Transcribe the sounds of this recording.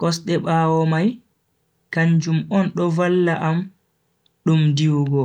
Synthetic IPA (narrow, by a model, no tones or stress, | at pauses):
kɔsɗɛɓaːwɔmaj | kaɲd͡ʒumɔnɗɔvalːaʔam | ɗumdiwɡɔ